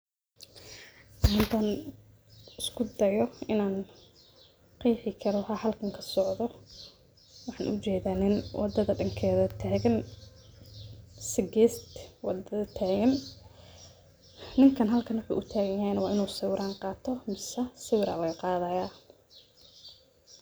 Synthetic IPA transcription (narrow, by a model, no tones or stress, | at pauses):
hɪnt̪ʰɐn | ɪskʰʊd̪ɐjɔɪnaːn | qiːħɪkʰɐlɔɦɐhɐlkʰɐŋkʰɐ̥sɔʕðɔ | wɑħɑːnʔʊt͡ʃɛːðaːnɪnwɑ̰d̪ɐðɐɖɐŋkʰɛːðɐt̪ʰaːɣɐn | sɪɡɛːst̪wɑ̰d̪ɐɐt̪ʰaːɣɐn | nɪŋkʰɐnɦɐlkʰɐnwʊħṵːʔʊt̪ʰaːɣɐjjɐhɛjnɐwɑːʔɪnuːsɐwɾʔaːnqɑːt̪ʰɔmɪsɐsɛwɾa̰ːlɐɣɐqɑːðɐjaː